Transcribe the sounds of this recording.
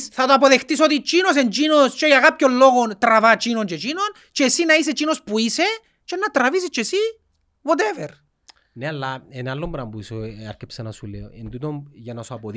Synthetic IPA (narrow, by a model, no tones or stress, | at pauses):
sθat̪oap̬oðext̪isot̪̬it͡ʃinos̬ent͡ʃinost͡ʃejaɣap̚kʲollːoɣont̪ɾavat͡ʃinont͡ʃet͡ʃinon | t͡ʃesinais̬et͡ʃinospuise | t͡ʃenːat̪ɾavis̬it͡ʃesi | wɔt̪̬eveɾ | nealːaenalːombɾambuisoaɾkepsanasuleoend̪ut̪onjanasoapoð